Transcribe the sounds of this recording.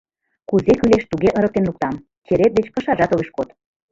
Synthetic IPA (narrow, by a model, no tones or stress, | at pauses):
kuzekyleʃt̪uɣeʔɤ̆ɾək̚t̪enluk̚t̪ɑm | t͡ɕeɾet̪̚d̪et͡ɕpə̆ʃɑʒɑt̪oɣeʃkot̪